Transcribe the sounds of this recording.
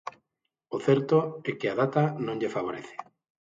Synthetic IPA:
oθɛɾt̪oɛkɪað̞at̪anõŋʎefaβ̞oɾeθe̥

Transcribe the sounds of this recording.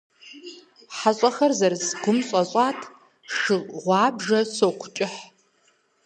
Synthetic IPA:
ħaɕʼɐxɐrzɐrsɡʷʊmɕʼɐɕʼɑːtʰ | ʂʂɨʁʷɑːbʒɐsoːkʷʰʊ̥t͡ʃʼɪħ

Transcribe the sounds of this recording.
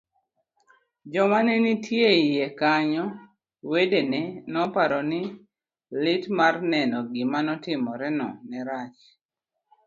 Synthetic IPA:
d͡ʒɔmanɛnitʰjeijekaɲɔ | wedenɛnɔpaɾɔnɪ | lɪtmarnɛnɔɡɪmanɔtɪmɔɾɛnɔ̰nɛɾat͡ʃ

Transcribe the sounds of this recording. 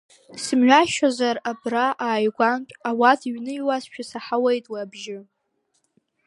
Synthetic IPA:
sɨmɥʷᶣaʃazarabraʔaːjɡʷantʷʼawatʰiɥnɨiwast͡ʃᶣʰasaħawejtʼwaabʒɪ

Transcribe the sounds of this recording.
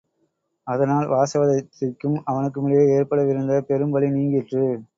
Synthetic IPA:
ɐðɐnaːlʋaːsɐʋɐðɐt̪ːɪkːɯmɐʋɐnɯk̬ːɯmʊɭɪjeːeːrpɐɽɐʋɪɾɯnd̪ɐpɛɾɯmbɐɭiniːŋɡɪʈrɯ

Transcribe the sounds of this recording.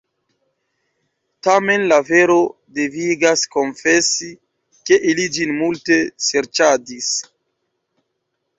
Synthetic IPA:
tame̞nlave̞ɾo̞ | deviɡasko̞nfe̞si | ke̞ʔilid͡ʒinmulte̞seɾt͡ʃadis

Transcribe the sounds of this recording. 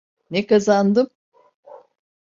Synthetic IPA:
nekazand̪ɯm

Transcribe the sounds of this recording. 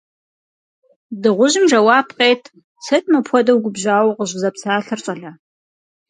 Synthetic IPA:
dɨʁʷʊʑɪmʒɐwaːpʰqeːtʰ | sʰɐtʼmɐpʰʷɔdɐwɡʷʊbʑaːwqəʑzɐpsaːɬɨrt͡ʃʼɐɮɐ

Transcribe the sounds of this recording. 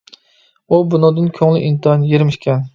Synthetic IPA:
ubunɨd̪ɨnkʲʰøŋlɪʔint̪ʰnjeɾmɪʃkʲʰɛn

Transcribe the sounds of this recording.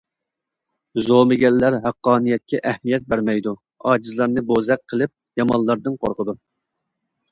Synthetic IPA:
zomɪɡʲɛlːæɾɦæqːɑːnijɛt̪̚kʲɛʔæhmijɛt̪̚bæɾmɛjd̪u | ɑːd͡ʒizlˠɑɾnɨbozɛqʰːəlˠɪp̚jɑmɑnlˠɑɾd̪ɨnqʰo̰ɾqʰəd̪u

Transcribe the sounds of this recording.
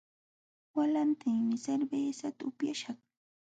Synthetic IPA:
walant̪ɪŋmɪseɾbeːsat̪aʊpjaʃɑχ

